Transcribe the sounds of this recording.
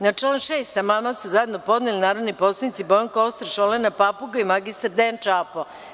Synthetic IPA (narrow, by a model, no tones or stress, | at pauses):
nat͡ʃelomʃeːst̪amamasuzajed̪no̞po̞d̪nelinaːɾodniposlˠanit̪sibojoŋkost̪ɾʃolenapapuɡaimaɡist̪ɾd̪ent͡ʃaːpo